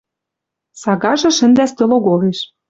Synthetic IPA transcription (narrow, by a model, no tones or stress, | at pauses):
sɑɣɑʒɤ̆ʃɘ̆nd̪æst̪ø̆loɣoleʃ